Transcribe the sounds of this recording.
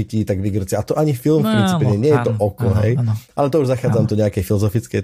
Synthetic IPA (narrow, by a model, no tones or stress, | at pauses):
iciːt̪aɡʋiɡr̩t͡sɪaʔat̪ɔʔaɲifilˠmfpɾint͡sipɛɲɛɲɪɛjɛt̪ɔʔɔkɔɦɛjʔa̰lɛt̪ɔuʒzaxaːd͡zamt̪ɔɲɛakɛjfilɔzɔfit͡skɛj